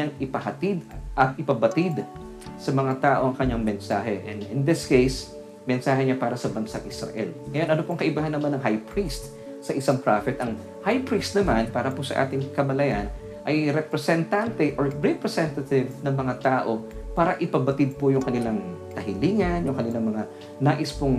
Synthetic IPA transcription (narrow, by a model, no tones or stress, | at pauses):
aŋɪpɐhɐt̪id̪ʔɐt̪̚ɪpɐbɐt̪id̪ | sɐmɐŋat̪aːʔo̞ɐŋkɐɲːaŋmɛnsaːɦɛʔɛnɪnd̪ɪskejs | mɛnsaːhɛɲapaːɾɐsɐbɐnsaʔɪsɾɐ̰ʔɛ̰lŋɐjo̞nʔɐnopoŋkɐʔɪbaːɦɐnːɐmanːɐŋɦajpɹist̪ | sɐʔɪsaŋpɾafɛt̪ʔɐŋ | hajpɹist̪̚nɐmanpaːɾɐposɐ̰ʔa̰ːt̪ɪŋkɐmɐlɐjan | ʔɐjɾɛpɾɛsɛnt̪ant̪ɛʔoɹɹɛpɹɛsɛnt̪ɐt̪ɪvnɐŋmɐŋat̪aːʔo̞paːɾɐʔɪpɐbɐt̪ɪd̪̚pojʊŋkɐnɪlaŋk̪ɐhɪliːŋɐnjʊŋkɐnɪlaŋmɐŋa | naːʔɪspoŋ